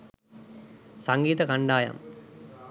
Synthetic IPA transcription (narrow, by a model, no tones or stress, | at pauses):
sɐŋɡiːt̪ɐkɐɳɖaːjɐ̰m